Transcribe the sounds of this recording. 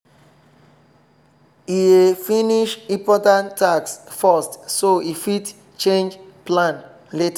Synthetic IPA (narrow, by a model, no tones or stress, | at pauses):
iefiniʃĩpɔtãntʰːaksfɔstsoifit | t͡ʃẽnd͡ʒplãn | leta